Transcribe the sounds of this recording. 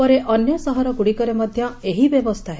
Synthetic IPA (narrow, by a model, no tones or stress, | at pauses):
pɔɾeʔɔnjɔsɔɦɔɾɔɡuɽikɔɾemɔd̪ʱjɔeɦibjebɔst̪ʰaɦe